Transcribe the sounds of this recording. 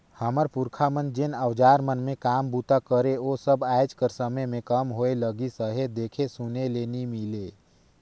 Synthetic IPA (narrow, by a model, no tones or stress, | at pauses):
həməɾpuɾkʰamənd͡ʒenəwd͡ʒaːɾmənmẽkaːmbut̪akəɾeosəbajd͡ʒkəɾsəməjmẽkəmɦoeləɡisəɦed̪eːkʰesunelenimile